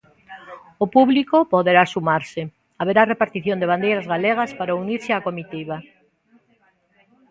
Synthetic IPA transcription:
opuβlikopoðeɾasumaɾsɪ | aβeɾarepaɾt̪iθjõnd̪eβand̪ejɾazɣaleɣ̞aspaɾauniɾsɪakomit̪iβ̞a

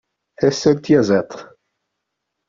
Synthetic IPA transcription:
θæsːælt̪jæzæt̪ˤ

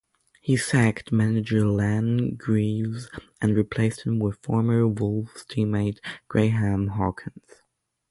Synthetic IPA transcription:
hisæktmænɨd͡ʒə˞læ̃nɡɹivz | ɨ̃nɹipʰl̥eɪst̚hɨ̃mwɪð̥fɔɹmə˞wʊlˠfz̥tʰimeɪt̚ɡ̥ɹeɪɦæ̃mɦɑkʰɨ̃nz̥

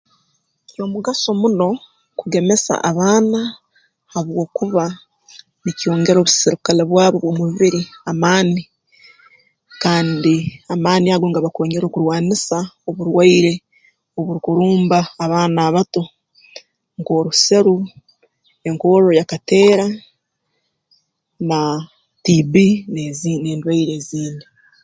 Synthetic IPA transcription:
o̞muɡaso̞muno̞ | kuɡe̞me̞sa̰ʔaβaːna | haβwo̞ːkuβa | nicjo̞ːŋɡe̞ɾo̞ːβusiɾikaleβwaːβoβwo̞muβiβiɾiamaːni | kaːndiamaːniaɡoːŋɡaβakoːɲeɾo̞ːkuɾwaːnisao̞βuɾwaiɾe̞ | oβuɾkuɾuːmbaːβaːnaːβato̞ | ŋko̞ːɾuse̞ɾu | e̞ŋko̞ːɾo̞jakate̞ːɾa | na | tibinezneːndwaiɾeziːni

